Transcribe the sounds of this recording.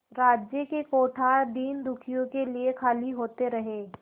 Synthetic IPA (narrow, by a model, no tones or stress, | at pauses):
ɾaːd͡ʒjəkekoːʈʰad̪iːnd̪ʊkʰijõkeliekʰaːliɦoːt̪eɾɐɦeː